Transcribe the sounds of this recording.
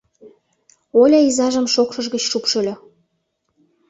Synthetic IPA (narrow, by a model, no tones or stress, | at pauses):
olʲɑizɑʒə̆mʃokʃɤ̆ʒɣət͡ɕʃupʃɤ̆lʲŏ